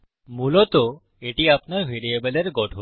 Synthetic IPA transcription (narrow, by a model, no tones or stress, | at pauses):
mulɔt̪ɔ | eʈiapnaɾʋʱeɾiebəleɾɡɔʈʰo